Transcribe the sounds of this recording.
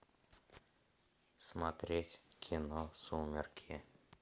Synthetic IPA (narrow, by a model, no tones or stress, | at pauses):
smat̪ɾʲet̪ʲkʲʰinosumʲerkʲʰie